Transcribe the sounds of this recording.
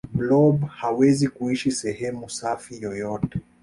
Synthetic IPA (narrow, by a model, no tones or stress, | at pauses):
blɔbhawɛzikuiʃisɛhɛmusafijɔjɔtɛ